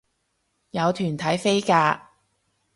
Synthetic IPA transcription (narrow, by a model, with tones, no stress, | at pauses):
jɐ˨˧wt̪ʰyː˨˩nt̪ʰɐ˨˥jfe˥jkaː˧